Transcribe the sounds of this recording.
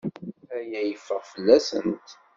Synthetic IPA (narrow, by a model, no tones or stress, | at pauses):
æjæjəfːəʁfəlːæsə̰nt̪